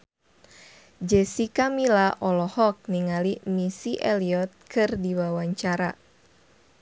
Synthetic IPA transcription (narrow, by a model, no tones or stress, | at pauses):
d͡ʒɛsikamilaʔɔlɔhɔk̚niŋalimisiʔɛliɔt̪̚kʰɨrdiwawaɲt͡ʃaɾa